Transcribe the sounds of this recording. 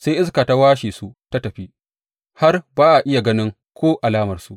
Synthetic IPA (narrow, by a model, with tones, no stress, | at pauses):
se˦jʔɪ˦skaː˨ta˦waː˦ʃiː˨su˦ta˦tɐ˨ɸi˦ | ha˦rbaː˦ʔa˨ʔɪ˦ja˨ɡɐ˦nɪ˦ŋ | kʷoː˦ʔa˨laː˦mɐ˨rsu˦ʔ